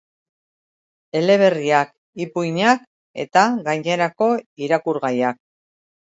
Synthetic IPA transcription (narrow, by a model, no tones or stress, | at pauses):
e̞le̞β̞e̞riak | ipujɲak | e̞̰t̪aɣajɲe̞ɾako̞iɾakuɾɣajak̚